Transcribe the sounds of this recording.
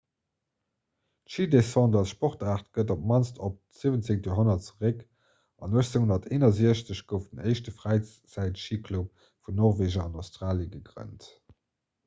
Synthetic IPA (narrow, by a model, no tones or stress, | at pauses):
tʃiːdesɑ̃ndɑsʃpɔʁtaːʁtɡ̥ədop̚mɑnstʰop̚z̥iːvənt͡seŋtjoɦonɐtt͡səʁək | ɑnuəʃt͡seŋhondɐtʰeːnɐziəɕt͡səɕɡ̥əʊfdənɜɪʃtəfʁæɪ | t͡sæɪtʃiːkʰlup̚ | funɔʁveːʒɐɑnɑʊstʁaːljəɡəɡʁə̰nt